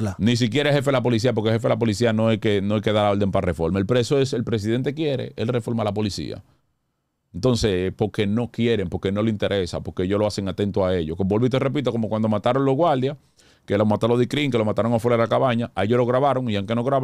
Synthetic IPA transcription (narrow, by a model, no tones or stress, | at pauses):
lnĩs̬ikje̞ɾehe̞f̬elap̬o̞lis̬iap̬o̞ɾkehef̬e̞lap̬o̞lisianoekenoejke̞ðaɾaold̪e̞mpare̞fo̞ɾmaelpɾesoeselpɾe̞s̬iðe̞nt̪e̞kje̞ɾe̞̰ʔelre̞fo̞ɾmalap̬o̞lisḭa̰ | ent̪o̞nse̞po̞ɾke̞no̞kje̞ɾe̞mpo̞ɾke̞no̞leint̪e̞ɾʔe̞sa̰po̞ɾkeeʝosloase̞ŋat̪e̞nt̪oae̞ʎohkombolβit̪ere̞pit̪oko̞mokwand̪o̞mat̪aɾo̞ŋloɣwald̪ja | kelomat̪aloðekɾiŋke̞lomat̪aɾo̞ŋafwelaeakaβaɲaʔaeʝoslo̞ɣɾaβaɾo̞ŋiawŋke̞no̞ɣɾaβ